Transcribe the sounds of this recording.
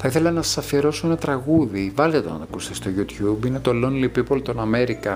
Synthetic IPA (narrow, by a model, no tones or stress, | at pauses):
θɐiθe̞lɐnɐsɐ̥sɐfieɾo̞soenɐt̪ɾɐɣuðivɐlt̪et̪o̰nɐnɐkust̪ist̪o̞ʝut̪çubinet̪o̞lonlipipolt̪o̞nɐme̞ɾikɐ